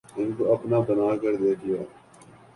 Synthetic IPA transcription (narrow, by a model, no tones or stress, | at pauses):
ɦɪnkoɐpnaːbɐnaːkəɾd̪eːkʰɪjaː